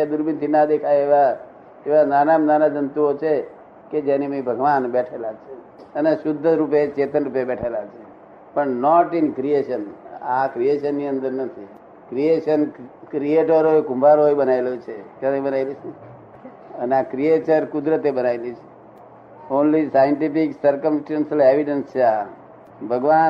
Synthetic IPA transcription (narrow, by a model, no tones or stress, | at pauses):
ed̪uɾbint̪ʰinad̪ekʰajeʋa | eʋananamnanad͡ʒənt̪uot͡ʃʰe | ked͡ʒenimibʱəɡʋanbɛʈʰelat͡ʃʰe | əneʃʊd̪ʱːəɾupet͡ʃet̪ənɾupjabɛʈʰelat͡ʃʰe | pəɳnɔʈinkɾieʃənakɾijeʃənːiənd̪əɾnət̪ʰi | kɾieʃənkɾieʈəɾɦoekũmbʱaɾɦojbənaelot͡ʃʰekəɾebənaelit͡ʃʰe | əneakɾiet͡ʃəɾkud̪ɾət̪ebənailit͡ʃʰe̥ | onlisajəɳʈipiksəɾkəmsʈensəleʋiɖənst͡ʃʰea | bʱəɡʋa